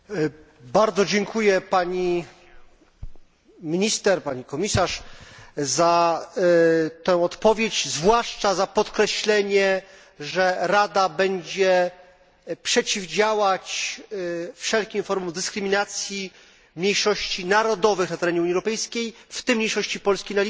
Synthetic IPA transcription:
baɾd̪zɔd͡ʑɛŋkʰujɛpaɲi | mʲiɲist̪ɛɾpaɲikɔmʲisaʂ | za | t̪ɛ̃w̃ɔt̪pɔvʲjet͡ɕzvwaʂt͡ʂazapɔt̪kɾɛɕlɛɲɛ | ʐɛɾad̪abɛɲd͡ʑɛ | pʂɛt͡ɕivd͡ʑawat͡ɕ | fʂɛlkʲimfɔɾmɔmd̪ɘskɾɘmʲinat̪sʲji | mɲejʂɔɕt͡ɕinaɾɔd̪ɔvɘxnat̪ɛɾɛɲɛuɲːiɛwɾɔpɛjskʲejft̪ɘmːɲejʂɔɕt͡ɕipɔlskʲijnalʲ

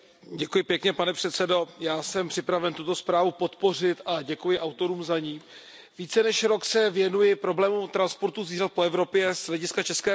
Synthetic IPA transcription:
ɟɛkujɪpjɛkɲɛpanɛpr̥ɛt̪sɛdo̞jaːsɛmpr̥ɪpɾavɛnt̪ut̪o̞spɾaːvupo̞t̪po̞r̝ɪt̪ʔaɟɛkujɪʔawt̪o̞ɾuːmzaɲiː | viːt͡sɛnɛʃɾo̞ksɛvjɛnujɪpɾo̞blɛːmut̪ɾanspo̞ɾt̪uziːrat̪̚po̞ɛvɾo̞pjɛzlɛɟɪskat͡ʃɛskɛː

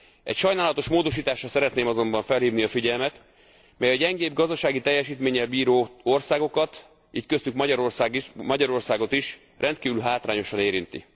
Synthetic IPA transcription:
ɛ̰cʃɒjnaːlɒt̪o̞ʃmoːd̪o̞ʃiːt̪aːʃɒsɛɾɛt̪neːmɒzo̞mbɒɱfɛlhiːvniɒfiɟɛlmɛt̪ | mɛjɒɟɛŋɡeːbɡɒzd̪ɒʃaːɡit̪ɛjːɛʃiːt̪meːɲɛlbiːɾoːorsaːɡo̞kɒt̪ | iːckøst̪ykmɒɒɾorsmɒɟɒɾo̞rsaːɡo̞t̪iʃ | rʔɛnt̪̚kiːvylɦaːt̪ra̰ːɲo̞ʃɒneːɾint̪ḭ

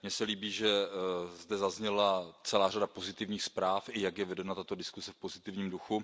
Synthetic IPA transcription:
mɲɛsɛliːbiːʒɛzdɛzazɲɛlat͡sɛlaːradapo̞zɪt̪ɪvɲiːxspɾaːfʔɪjakjɛvɛdɛnat̪at̪o̞dɪskusɛfpo̞zɪt̪ɪvɲiːmduxu

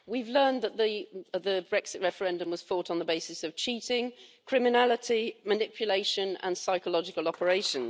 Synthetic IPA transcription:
wivlɜːnðəʔðəðəbɹɛksɪʔɹɛfəɹɛ̃ndə̃mwɒz̥fɔˑtn̩ðəbeɪsɪsəv̥t͡ʃʰiˑtɪ̃ŋkʰɹ̥ɪmɪnalɪtʰimənɪpʰjəleɪʃə̃nə̰̃nsaɪkəlɒd͡ʒɪkəlɒpəɹeɪʃə̃n

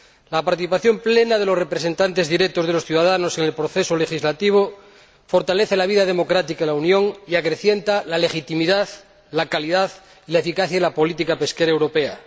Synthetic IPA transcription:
lapaɾt̪iθipaθjõ̞mple̞nað̞e̞lo̞sre̞pɾese̞nt̪ant̪e̞zðiɾet̪ozð̞elo̞sθjuðaðanose̞ŋelpɾoθesole̞xizlat̪iβ̞o | fo̞ɾt̪aleθelaβ̞iðaðe̞mo̞kɾat̪ikaðelaunjo̞ŋiakɾe̞θje̞nt̪alale̞xit̪imiðað | lakaliðað | ilaefikaθjaðelapo̞lit̪ikape̞skeɾaewɾo̞pe̞a

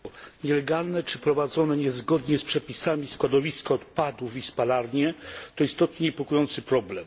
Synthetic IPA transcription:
ɲɛlɛɡalnɛt͡ʂɘpɾɔvad̪zɔnɛɲɛzɡɔd̪ɲɛspʂɛpʲisamʲiskwad̪ɔvʲiskaɔt̪pad̪ufispalaɾɲɛt̪ɔist̪ɔt̪̚ɲɛɲɛpɔkujɔnt̪sɘpɾɔblɛm

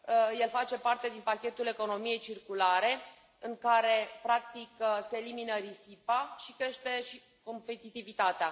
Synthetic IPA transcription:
je̞lfat͡ʃe̞part̪e̞d̪inpakʲe̞t̪ule̞ko̞no̞mije̞jt͡ʃirkulaɾe̞ | ɨŋkaɾe̞pɾak̚t̪ikseːliminəɾisipaʃikɾe̞ʃt̪e̞ʃi | ko̞mpe̞t̪it̪ivit̪at̪ea

